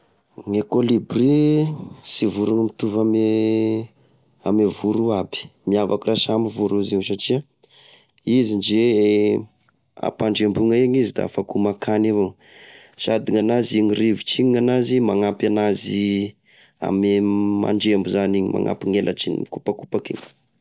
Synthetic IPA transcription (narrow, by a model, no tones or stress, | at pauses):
ŋekolibri | sivuɾuŋimit̪uvame | amevuɾuabi̥miavakurasamivuɾuziwsaʈ͡ʂia | izind͡ʒe | a̰paɳɖ͡ʐembuŋaeɲizid̪a̰fakumakanevo | sad̪iŋanaziŋirivit͡ʃiɲiŋanazimaŋapanazi | a̰mema̰ɳɖ͡ʐembuzaniɲima̰ŋʔa̰piŋelʔa̰t͡ʃinḭmikupakupakḛŋi̥